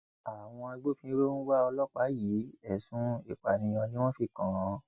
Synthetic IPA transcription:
a˨w̃ɔ̃˧a˧ɡ͡bo˦fĩ˧˦ɾo˦nũ˦wa˦ɔ˧lɔ˦k͡pa˨˦ji˨˦ɛ˦˨sũ˦i˨k͡pa˨nĩ˧j̃ɔ̃˧nĩ˦w̃ɔ̃˦fi˧˨kã˨˧

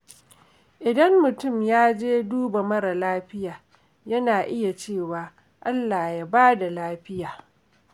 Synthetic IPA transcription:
ʔɪ˨dɐ˦mːʊ˨tʊ˦˨mjaː˦d͡ʒeː˦duː˦ba˨mɐ˦ɾa˨laː˦ɸɪ˦jaː˨ | jɐ˦naː˨ʔɪ˦ja˨t͡ʃeː˦˨waː˨ | ʔa˦lːaː˨ja˦baː˦da˨laː˦ɸɪ˦jaː˨

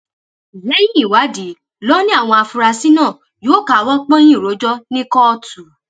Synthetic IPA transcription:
i˨lɛ˦jĩ˦i˨wa˨˦di˨˦ | lɔ˦nĩ˦a˦˨w̃ɔ̃˧a˧fu˧ɾa˧si˦nãː˦˨ | jo˨˦ka˨˦wɔ˦k͡pɔ̃˦j̃ĩ˦˨ɾo˨˦d͡ʒɔ˦nĩ˦kɔ˦ɔ˧tu˨˦

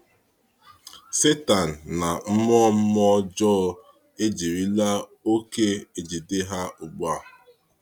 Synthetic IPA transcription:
se˦ta˨n̩˨na˨m̩˦mɔ˦m̩˦mɔ˦d͡ʒɔː˦ | e˦d͡ʒi˨ɾi˦la˦o˦ke˦e˨d͡ʒi˨de˦ɦa˦ʊ˨ɡ͡ba˦˨

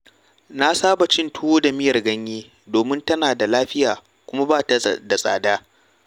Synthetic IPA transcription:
na˦saː˦ba˨t͡ʃɪ˦ntʊ˦woː˦da˨mɪ˦jɐ˨rɡɐ˦ɲjeː˦ | doː˨mɪ˦ntɐ˦naː˨da˨laː˦ɸɪ˦jaː˨ | kʷʊ˦ma˦baː˦˨ta˨da˨sʼa̰ː˨daː˦

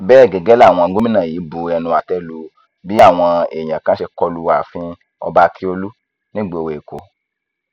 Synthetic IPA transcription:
bɛː˦˨ɡɛ˨ɡɛ˦la˦˨w̃ɔ̃˧ɡo˦mĩ˦nã˦˨jiː˨˦bu˧˨ɛ˧nũ˧a˨tɛ˦lu˧ | bi˦a˦˨w̃ɔ̃˧e˨j̃ã˨kã˦ʃe˧kɔ˧lu˧˦wa˨fĩ˧˦ | ɔ̰˧ba˧kʰi˦o˧lu˦ | nĩ˦ɡ͡be˦˨o˧we˨e˨ko˨˦

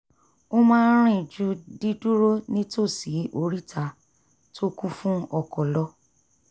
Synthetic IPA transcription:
o˦mãː˦ɾ̃ĩ˦˨d͡ʒu˦di˦du˦ɾo˦nĩ˦to˦˨si˨˦o˧ɾi˦tʰa˦˨ | to˦kũ˦fũ˦ɔ˧˨kɔ˨lɔ˧

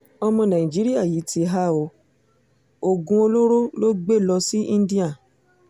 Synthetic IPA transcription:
ɔ˧mɔ̃˧nã˨ĩ˨d͡ʒi˨˦ɾi˦a˦˨ji˨˦ti˧ɦa˦o˧˦ | o˨ɡũ˧o˧lo˦ɾo˦lo˦ɡ͡be˦˨lɔ˧si˦ĩ˦n˦di˦a˦˨

